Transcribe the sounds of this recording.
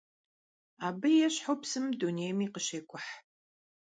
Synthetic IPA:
aːbɨjɛɕħopsɨmduneːjmiːqəɕeːkʷʰʼʊħ

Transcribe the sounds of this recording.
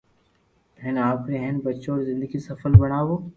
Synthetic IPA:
ɛɦnaːpkɾeɦɛnbɐtːʃõɔːɾzɪ̃nd̪əɡisɐfəlbɐɽ̃aːʋoː

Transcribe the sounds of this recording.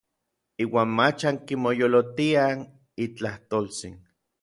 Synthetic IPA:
iːwaːnmat͡ʃaŋkimojolot̪ian | it͡ɬaht̪olt͡sḭn

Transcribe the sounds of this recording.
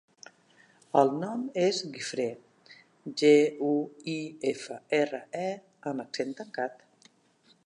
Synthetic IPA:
əlˠnɔmezɣifɾe | ʒeuiefəerəɛ | əməksent̪əŋkat̪

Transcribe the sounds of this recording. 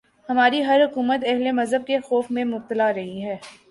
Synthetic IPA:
hɐmaːɾiɦɐɾɦʊkuːmət̪ɛɦlemɐzɦəb̚kexɔːfmẽmʊb̚t̪əlaɾɐɦiɦɛː

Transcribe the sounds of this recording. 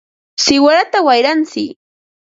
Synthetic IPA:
sɪwaɾat̪awajɾant͡sɪk

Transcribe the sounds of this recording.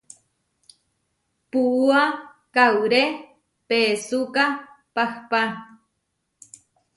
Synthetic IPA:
puʔua | kawɾe | peːsuka | pahpa

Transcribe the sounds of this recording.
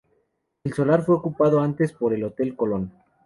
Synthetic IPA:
elso̞laɾfwe̞okupað̞o̞ant̪e̞spo̞ɾe̞lo̞t̪e̞lko̞lo̞n

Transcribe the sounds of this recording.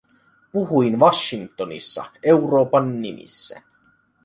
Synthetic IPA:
puɦuinʋɑʃːiŋt̪onḭsːɑ̰e̞wro̞ːpɑnːimʔḭsːæ̰

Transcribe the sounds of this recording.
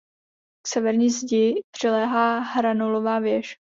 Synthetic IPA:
ksɛvɛɾɲiːzɟɪpr̝̥ɪlɛːɦaːɦɾanolovaːvjɛʃ

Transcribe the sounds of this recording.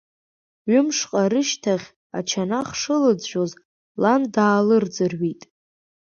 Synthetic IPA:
ɥʏmʂqʼaɾɨʃtʰaχʲ | a̰t͡ʃʰanaχʂɨlɨd͡zʒʷᶣoz | landaːlɨrd͡zɨrɥitʼ

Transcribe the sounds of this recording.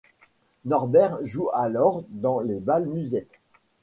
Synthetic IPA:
nɔʁbɛʁʒualɔʁd̪ɑ̃levalmyzɛt̪

